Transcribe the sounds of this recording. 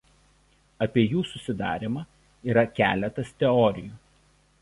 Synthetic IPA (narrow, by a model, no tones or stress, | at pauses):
ɐpʲiɛjuːsʊsʲɪd̪ɑ̰ːɾʲɪmɑː | iːɾɐkʲæ̰ːlʲɛt̪ɐst̪ʲɛɔɾʲɪjuː